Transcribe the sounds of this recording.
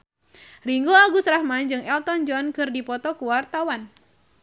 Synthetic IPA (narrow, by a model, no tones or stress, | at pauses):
riŋɡoaɡusɾahmand͡ʒɨŋɛlt̪ɔnd͡ʒɔnkɨrdipɔt̪ɔkuwart̪awan